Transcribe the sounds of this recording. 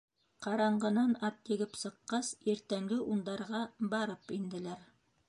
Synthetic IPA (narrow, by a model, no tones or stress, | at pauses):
qɑɾɑɴɢɤ̆nɑnɑp̚t̪ĭɡɘpsɤ̆qːɑsiɾt̪æŋɡɘʔund̪ɑɾʁɑbɑɾɤpind̪ɘ̆læɾ